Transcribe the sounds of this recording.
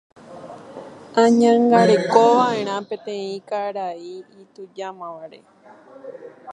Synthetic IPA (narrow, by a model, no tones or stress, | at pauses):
ãɲãŋɡaɾe̞ko̞ʋaʔẽ̞ɾ̃ãpẽ̞t̪ẽĩkaɾaiit̪ud͡ʒamãʋaɾe̞̰